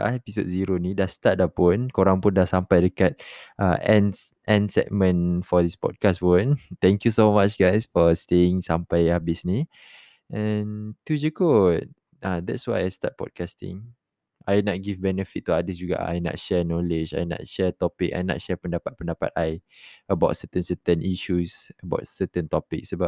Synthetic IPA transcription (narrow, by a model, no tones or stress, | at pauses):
ɛpiso̰t̚ziɾonĩdahst̪at̪̚dapunkoɾãŋpʊndasampajdəkat̪̚ʔaʔɛ̃ns | ʔɛ̃nsɛ̰ʔ̚mə̃nfɔdispɔ̰d̚kaspunt̪ɛ̃ŋkjusomat͡ʃɡajsfɔst̪eɪŋsampajhabisni | ʔɛnt̪ud͡ʒəko | ad̪ɛtswajajstat̚pɔ̰d̚kastɪ̰̃ŋ | ajnɔt̚ɡivbɛnəfit̚tːuadisd͡ʒuɡa̰a̰jna̰t̚ʃɛnɔled͡ʒa̰jna̰t̚ʃɛt̪ɔpik̚a̰jna̰t̚ʃɛpəndapat̚pə̃ndapa̰t̪̚ajəbaʊtsət̪ə̃nsət̪ə̃nʔiʃusəba̰ʊt̚sət̪ə̃ntɔpik̚səbap̚